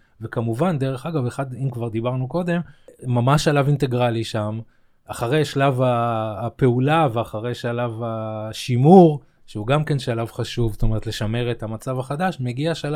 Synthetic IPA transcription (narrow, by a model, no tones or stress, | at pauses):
vekamuvand̪eʁe̞χaɡaveχad̪imkvaʁd̪ibaʁnuko̞d̪e̞mmamaʃalavint̪e̞ɡʁaliʃam | aχaʁe̞jʃlavaːpe̞ulaveaχaʁe̞jʃalavaʃimuʁ | ʃeuɡamke̞nʃalavχaʃuvst̪o̞meʁet̪le̞ʃame̞ʁet̪hamat͡savaχad̪aʃme̞ɡiaʃala